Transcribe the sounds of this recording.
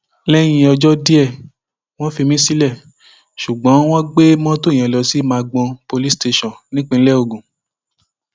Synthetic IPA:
lɛ˦j̃ĩ˧ɔ˧d͡ʒɔ˦di˦ɛ˦˨ | w̃ɔ̃˦fi˧mĩ˦si˦lɛ˦˨ | ʃu˨ɡ͡bɔ̃˨˦w̃ɔ̃˦ɡ͡be˦mɔ̃˦to˦˨j̃ɛ̃˨lɔ˧si˨˦mãː˧ɡ͡bɔ̃˧po˧li˦ste˧ʃɔ̃˦˨nĩ˦k͡pĩ˧n̩˦lɛ˦o˧˨ɡũ˨

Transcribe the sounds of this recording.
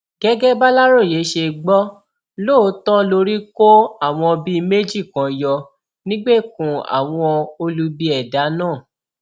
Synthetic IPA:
ɡ̥ɛ˦ɡɛ˦ba˦la˦ɾo˦˨je˨˦ʃe˧ɡ͡bɔ˦ | loː˦˨˦tɔ̃˦lo˧ɾi˦ko˦a˦˨w̃ɔ̃˧ɔ˧bi˦˧me˦d͡ʒi˦˨kã˨jɔ˧ | nĩ˦ɡ͡be˦˨kũ˨a̰˨w̃ɔ̃˧o˧lu˧bi˧ɛ˨da˨˦nãː˦˨

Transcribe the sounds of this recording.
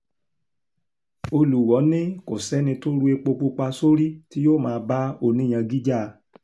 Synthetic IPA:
o˧lu˨wɔ˨˦nĩ˦ko˨sɛ˨˦nĩ˧to˦ɾu˦e˧k͡po˧k͡po˧k͡pa˧so˦ɾi˦ti˦joː˦˨mãː˧˦ba˦o˦˨nĩ˦ã˧ɡi˦d͡ʒa˦˨˧

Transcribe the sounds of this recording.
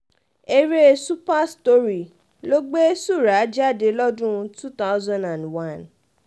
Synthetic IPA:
e˧ɾe˦su˦pa˦sto˦ɾi˨ | lo˦ɡ͡be˦su˦˨ɾa˨˦d͡ʒa˦˨de˧lɔ˦dũ˦˧tu˦t̪a˦ʊzã˦nã˨nwã˦˨n

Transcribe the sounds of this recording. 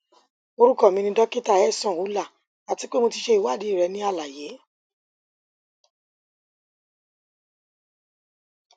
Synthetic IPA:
o˧ɾu˦kɔ˦˨mĩ˧nĩ˧dɔ˦ki˦ta˦˨ɛ˦˨sɔ̃˨wu˨˦la˦˨ | a˨ti˨˦k͡pe˦mo˧ti˧ʃe˧i˨wa˦˨di˨˦i˦˨ɾɛ˨˧˦nĩ˦a˦˧˨la˨je˨˦

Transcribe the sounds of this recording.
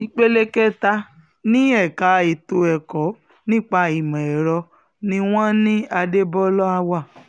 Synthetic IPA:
i˧k͡pe˦le˦kɛ˦ta˧ | nĩ˦ɛ˦˨ka˨˦e˨to˧ɛ˨kɔ˨˦ | nĩ˦k͡pa˧i˨mã˨ɛ˨ɾɔ˧ | nĩ˧w̃ɔ̃˦nĩ˦a˧de˦bɔ˦lɔ˦a˧wa˦˨

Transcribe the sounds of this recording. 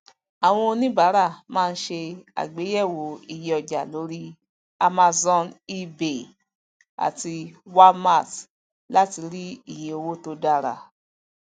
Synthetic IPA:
a˨w̃ɔ̃˧o˧nĩ˦ba˨˦ɾa˦˨mãː˦˧n̩˦ʃe˧a̰˨ɡ͡be˨˦jɛ˦˨wo˨i˦˨je˧ɔ˨d͡ʒa̰˨lo˨˦ɾi˦ | a˧ma˧zɔ̃˧ni˦be˨ | a̰˨ti˧wa˦ma˦˨t | la˦ti˧ɾi˦i˦˨jĩ˨o˧wo˦to˧da˦˨ɾa̰˨

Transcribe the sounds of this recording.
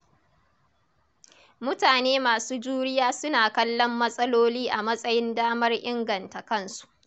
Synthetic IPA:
mʊ˦taː˨neː˦maː˨suː˦d͡ʒuː˦ɽɪ˦jaː˦sʊ˦naː˨kɐ˦lːɔ˦mːɐ˦sʼɐ˦loː˦liː˦ʔa˨mɐ˦sʼɐ˦jɪ˦ndaː˦mɐ˦rʔɪ˦ŋɡɐ˨nta˨kɐ˦˨nsu̥˨ʔ

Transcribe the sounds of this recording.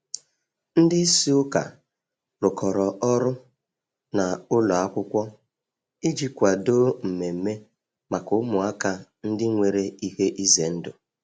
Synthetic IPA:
n̩˦dɪ˦si˦ʊ˦ka̰˨ | ɾʊ˨kɔ˨ɾɔ˨ʔɔ˦ɾʊ˦ | na˨ʊ˦lɔ˨a˦kʷʊ˦kʷɔ˦ | i˦d͡ʒi˦kʷa˨do˦m̩˨me˨m̩˨me˦ | ma˨kʊ˦mʊ˨a˦ka˦n̩˦dɪ˦ŋʷe˨ɾe˦i˦he˦ʔi˦ze˨n̩˦dʊ̰˨

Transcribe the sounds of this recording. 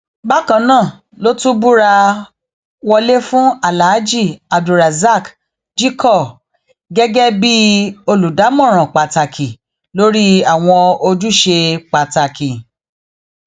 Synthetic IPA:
ba˦kã˧nãː˦˨ | lo˦tũ˦bu˦ɾa˧ | wɔ˧le˦fũ˦a˦˨la˨˦d͡ʒi˦˨a˨du˨ɾa˨za˦˨k | d͡ʒi˦kʰɔ˦˨ | ɡɛ˦ɡɛ˦bi˦o˧lu˨da˨˦mɔ̃˦˨ɾ̃ɔ̃˨k͡pa˨ta˨kʰi˨ | lo˦ɾi˦a˦˨w̃ɔ̃˧o˧d͡ʒu˦ʃe˧k͡pa˨ta˨kʰi˨

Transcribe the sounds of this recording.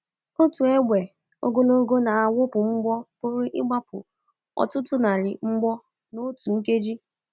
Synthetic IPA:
o˦tu˨e˦ɡʷe˨ | o̰˦ɡo˦lo˦ɡo˦na˨a˨wʊ˦pʊ˨ŋ͡m̩˦ɡ͡bɔ˦pʊ˦ɾɪ˦ʔɪ˦ɡ͡ba˦pʊ̰˨ | ɔ̰˨tʊ˦tʊ˦na˨ɾɪ̰˨ŋ͡m̩˦ɡ͡bɔ˦ | no˦tu˨ŋ̩˦ke˦d͡ʒi˦

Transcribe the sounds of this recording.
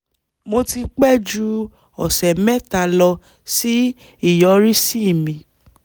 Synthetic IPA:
mo˧ti˧k͡pɛ˦d͡ʒu˧ | ɔ˨sɛ˨mɛ˦ta˧lɔ˧ | si˦ | i˦˨jɔ˨˦ɾi˦si˦i˦˨mĩ˨

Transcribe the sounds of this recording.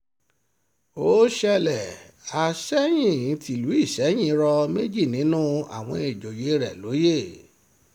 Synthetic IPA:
o˦ʃɛ˦˧lɛ˨ | a˨ʃɛ˦j̃ĩ˦˨˦tʰi˧˨lu˨˦i˦˨ʃɛ˨˦j̃ĩ˧˦ɾɔ˧me˦d͡ʒi˦˨nĩ˨˦nũ˦a̰˦˨w̃ɔ̃˧e˨d͡ʒo˨je˨˦ɾɛ˨lo˨˦je˦˨

